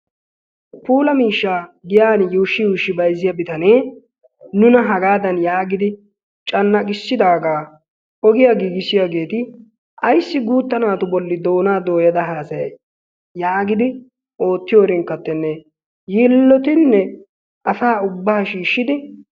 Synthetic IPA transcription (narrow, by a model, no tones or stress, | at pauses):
puːlɐmiːʃːaːɡɪjaːnjuːʃːɪjuːʃːɪbɐjzːɪjɐbɪt̪ɐneː | nʊnɐɦɐɡaːd̪ɐnjaːɡɪd̪ɪ | t͡ʃʼɐnːɐkʼɪsːɪd̪aːɡaː | ʔɔɡɪjaɡiːɡɪsɪjaɡe̞ːt̪ɪ | ʔɐjsːɪɡuːt̪ːɐnaːt̪ʊbɔlːɪd̪o̞ːnaːd̪o̞ːjɐd̪ɐɦaːsɐjɐ | jaːɡɪd̪ɪ | o̞ːt̪ːɪjoːɾɪŋkːɐt̪ːɛnːɛ | jiːlːɔt̪ɪnːɛ | ʔɐsaːʊbːɐhɐʃiːʃːɪd̪ɪ